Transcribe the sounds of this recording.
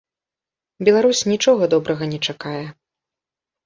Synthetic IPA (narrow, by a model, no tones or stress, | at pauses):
bʲɛlˠaɾusʲnʲit͡ʂɔɣɐd̪ɔbɾɐɣɐnʲɛt͡ʂakajɛ